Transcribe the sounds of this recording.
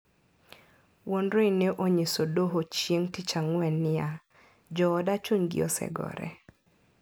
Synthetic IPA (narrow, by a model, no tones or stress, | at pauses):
wonɾoineʔoɲesodoɦot͡ʃjeŋtit͡ʃaŋwɛnːɪa | d͡ʒɔːdat͡ʃuɲɡɪ̰ɔ̰sɛ̰ɡɔ̰ɾɛ̰